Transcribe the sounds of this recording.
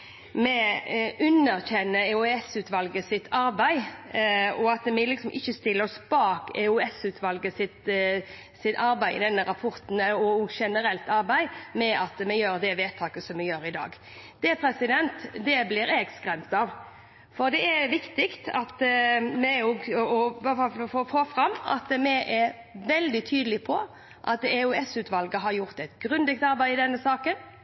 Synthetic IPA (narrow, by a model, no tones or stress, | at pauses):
mɛʉnːəɾçɛnːəɛuɛsʉːt̪ʋɑlɡəsɪt̪ʰːɑɾbæɪ | ɔɑt̪mɛlɪksɔmʔɪ̰çːəst̪ɪlːɔsbɑːkɛ̰ʉɛsʉːt̪ʰʋɑlɡəsɪt̪ | sɪt̪ɑɾbæɪɪ̰d̪ɛnːəɾɑpʰɔɾt̪n̩ɔɔʃɛnəɾɛlt̪ɑɾbæɪmɛʔɑt̪mɛjøːɾd̪ɛʋeːt̪ʰɑːkəsɔmɛjøːɾɪd̪ɑ̰ːɡ | d̪̥ɛpʰɾɛsɪd̪ɛnt̪d̪ɛblɪɾɛɡskɾɛmt̪ɑʋ | fɔʁd̪ɛɛɾʋɪkt̪ɪkt̪ʰɑ̰t̪mɛjʊɔfofoːfɾɑmːɑ̰t̪mɛʔɛ | ʋɛld̪ɪt̪ʰyːd̪əlɪpʰɔ | ʔɑ̰t̪ɛʉɛsʉːt̪ʋɑlɡəɦɑɾjʊʁt̪ɛt̪ɡɾʉnd̪ɛk̚t̪ɑɾbæɪɪd̪ɛnːəsɑːkən